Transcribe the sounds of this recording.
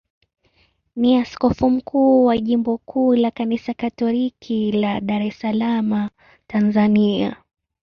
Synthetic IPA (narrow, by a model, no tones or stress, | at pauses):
niaskɔfum̩kʰuːwaʄimbɔkʰuːlakanisakatɔlikʰilaɗaɾɛsalama | tanzania